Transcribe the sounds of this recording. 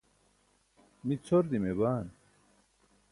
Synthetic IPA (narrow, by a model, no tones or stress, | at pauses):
mit͡sʰoɾd̪imebaːn